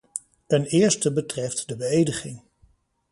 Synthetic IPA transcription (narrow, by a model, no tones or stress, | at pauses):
tɛnɪːɹstəbətrɛftdəbəejdəχɪŋ